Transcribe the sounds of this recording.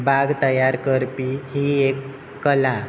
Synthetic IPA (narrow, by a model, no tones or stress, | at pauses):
bʱaɡt̪əjaɾkəɾpihiekː | əla